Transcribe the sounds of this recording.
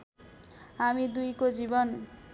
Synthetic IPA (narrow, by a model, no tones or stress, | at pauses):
amid̪ujkod͡ʒibɔn